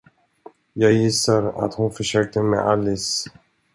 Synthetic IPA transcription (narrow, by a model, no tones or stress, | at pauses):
jɑːɡjɪsːaɾa̰t̪hʊnfœʂøːk̚t̪əmḛʔalːɪs